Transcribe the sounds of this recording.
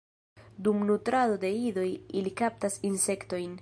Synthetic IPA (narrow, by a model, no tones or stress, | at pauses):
dumnutɾado̞de̞ido̞jilikap̚tasinse̞kto̞jn